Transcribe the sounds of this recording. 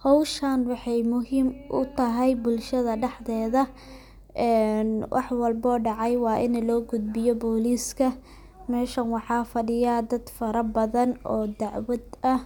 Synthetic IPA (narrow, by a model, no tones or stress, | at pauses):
hɔwʃɐnwɑħɑjmʊɦiːmʔʊ̰t̪ʰɐɦɛjbʊlʃɐðɐɖɛħðɛːðɐ | ʔɛːnwʔɑ̰ħwɐlbɔːɖɑʕɑjwɑːʔɪnlɔːɡʊd̪̚bɪjɔbɔːliːskʰɐ | mɛːʃɐnwɑħɑːfɐɖɪjaːd̪ɐd̪fɐɾɐbɐðɐnɔːd̪ɑʕwɐd̪ɐh